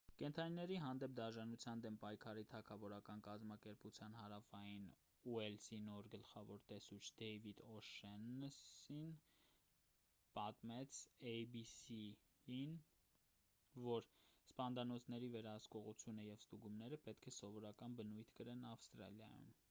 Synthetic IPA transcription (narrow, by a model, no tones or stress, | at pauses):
kɛnt̪ʰɑninɛɾiɦɑnd̪ɛp̚d̪ɑʒɑnut͡sʰjɑnd̪ɛmpɑjkʰɑɾit̪ʰɑkʰɑvɔɾɑkɑnkɑzmɑkɛɾput͡sʰjɑnhɑɾɑfɑjin | uɛlsinɔɾɡəlχɑvɔɾt̪ɛsut͡ʃʰd̪ɛjvid̪ɔʃɛnsin | pɑt̪mɛt͡sʰɛjbisi | in | vɔɾspɑnd̪ɑnɔt͡sʰnɛɾivɛɾɑhəskɔʁut͡sʰjunəjɛvst̪uɡumnɛɾəpɛt̪kʰɛsɔvɔɾɑkɑnbənujt̪ʰkəɾɛnɑfst̪ɾɑ̰ljɑ̰jṵm